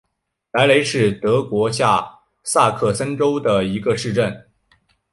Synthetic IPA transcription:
la˧˥ɪle˧˥ɪʂɻ̩˥˩t̪ɤ˧˥kwɔ˧˥ɕja˥˧ | sa˥˧kʰɤ˥˩sə˥nʈ͡ʂo˥ʊd̪ə˨i˧˥ɡə˧ʂɻ̩˥˧ʈ͡ʂə˥˩n

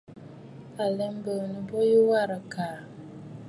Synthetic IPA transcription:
a˨lɛ˦m˦bə˨nə˨bo˦ju˦wa˦˨ɾa˨kaː˨

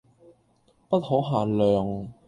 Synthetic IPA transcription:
pɐ˥t̚hɔː˨˥ɦaː˨nlœː˨ŋ

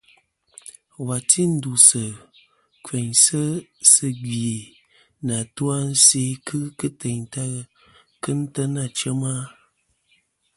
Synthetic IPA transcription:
wa˨tʰi˦n̩˦du˨sə˨ | kwe˨ɲsə˦sɨ˦ɡi˨e˨ | na˨tu˦a˦n˦se˦kʰɨ˦kɨ˦te˨ɲta˦ | kɨ˦n̩˦tə˦na˨t͡ʃə˦ma˦

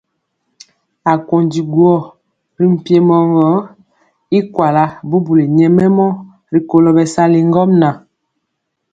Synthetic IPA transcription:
a˨ko˨ndi˨ɡwɔ˦˨ | ɾi˦m̩˨pje˦mɔ˦ŋɡɔ˨˦ | i˦kwa˨la˦bu˦bu˨li˨ɲɛ˦mɛ˦mɔ˦ | ɾi˨ko˨lɔ˦bɛ˨sa˦li˨ŋ˦ɡɔ˦mna˨

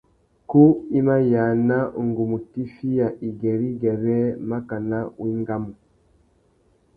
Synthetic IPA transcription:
ku˦i˦ma˦ja˨na˦˨ŋɡu˨mu˨ti˦fi˦ja˨ʔi˨ɡɛ˨ɾi˦ɡɛ˨ɾɛ˦ma˦ka˨na˦wʔi˦ŋɡa˦mu˨

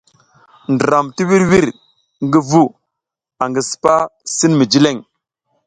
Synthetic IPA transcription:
ndə˨ɾa˨mti˦wi˦ɾwi˦ɾ | ŋɡə˦vu˦ | a˨ŋɡə˨spa˦si˦nmi˨d͡ʒi˦le˦˨ŋ

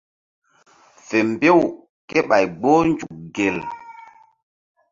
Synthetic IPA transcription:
fe˨m˨be˦˨w | ke˦ɓa˨jɡ͡bo˦nd͡ʒu˨k̚ɡe˨l

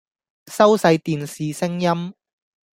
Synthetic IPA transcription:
sɐ˥wsɐ˨˧jt̪iː˨nsiː˨sɪ˥ŋjɐ˥m

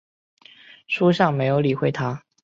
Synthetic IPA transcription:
ʂu˥ʂɑ˥˩ŋme˧˥ɪjo˧˥ʊli˨˩xwe˥ɪt̪ʰa˥

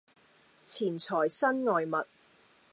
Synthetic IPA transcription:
t͡sʰiː˨˩nt͡sʰɔː˨˩jsɐ˥nŋɔː˨jmɐ˨t̚

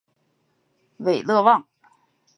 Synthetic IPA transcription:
we˨˩ɪlɤ˥˧wɑ˥˩ŋ

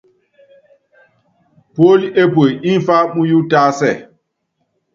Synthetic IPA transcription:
po˦li˦e˦po˨ji˦n˦fa˦ɓũ˦ju˦taː˦sɛ˦˨

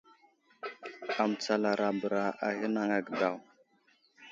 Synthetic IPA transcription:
a˨m˨t͡sa˨la˨ɾa˨bə˨ɾa˨ʔa˨hi˦na˦ŋa˨ɡə˨da˨w

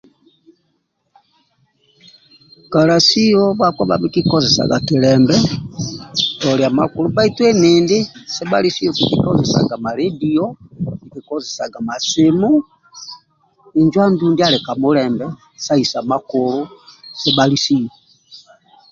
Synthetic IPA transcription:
ka˨la˨si˦ɔβakwɔ˦βa̰˦βi˦ki˦kɔzɛsa̰˨ɡa̰˨tiɾɛmbɛ | tɔ˨ɾja˨ma̰˨ku˦ɾu˦βa˦itwɛ˦miːndi˦sɛ˦balisi˦ɔbiki˦kɔzɛ˨sa̰ɡa˨ma˨ɾediɔβiki˨kɔ˦zɛsa˨ɡa˨ma˨simu˦ | i˨ɲd͡ʒwa˦nduːndi˦aɾɛ˨ka˨muɾɛmbɛ | sa˦isa˨makuɾusɛ˦baɾisi˦jɔ

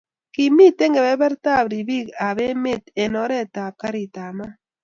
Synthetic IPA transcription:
ki˨mi˦te˦ŋɡe˨bɛ˦bɛ˦ɾta˦˨bɾi˨bi˦˨ka˨be˦me˦˨te˨nɔ˨˦ɾɛ˦˨ta˨ka˦ɾi˨ta˨ma˦

